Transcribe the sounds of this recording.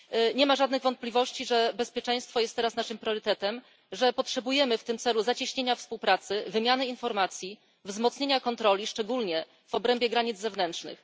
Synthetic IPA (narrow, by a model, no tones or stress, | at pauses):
ɲɛmaʐad̪nɘɣvɔnt̪̚plʲivɔɕt͡ɕiʐɛbɛspʲjɛt͡ʂɛj̃st̪fɔjɛst̪ːɛɾasnaʂɘmpɾʲjɔɾɘt̪ɛt̪ɛm | ʐɛpɔtʂɛbujɛmɘft̪ɘmt̪sɛluzat͡ɕiɕɲeɲafspuwpɾat̪sɘvɘmʲjanɘinfɔɾmat̪sʲji | vzmɔt̪sɲeɲakɔnt̪ɾɔlʲiʂt͡ʂɛɡulɲɛ | v̥ɔbɾɛmbʲjɛɡɾaɲid̪zɛvnɛntʂnɘ̰x